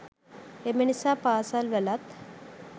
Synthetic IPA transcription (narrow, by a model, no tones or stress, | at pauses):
emenisapaːsalʋɛlat̪